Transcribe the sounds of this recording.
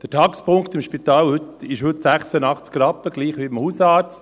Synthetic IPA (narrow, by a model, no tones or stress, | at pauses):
d̪̥ətʰɑːɡə̥spʰʊŋkt̪ɪmʃpit̪ɑːlhʏt̪ɪʃhɵtsæχsənɑχt͡skɾɑpːəɡ̥liːχʋibəmhusɑːɾt͡st